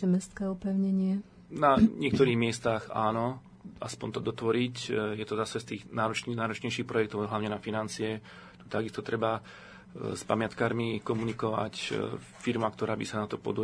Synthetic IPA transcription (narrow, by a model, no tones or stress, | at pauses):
ɛmɛst̪kɛɔpɛʊɲɛɲɪɛ | naɲɪɛk̚t̪ɔɾiːɣmɪɛst̪aɣa̰ːnɔ | ʔa̰spɔnt̪ɔd̪ɔt̪ʋɔɾicjɛt̪ɔzasɛst̪iːɣnaːɾɔt͡ʃnaːɾɔt͡ʃɲɛjʃiːxpɾɔjɛkt̪ɔʊɦlaʊɲɛnafinant͡siɛ | t̪u̥t̪aɡist̪ɔt̪ɾɛba | spa̰mɪat̪kaːɾmikɔmunikɔʋa̰c | fiɾmakt̪ɔɾaːbisanat̪ɔpɔ̰d̪u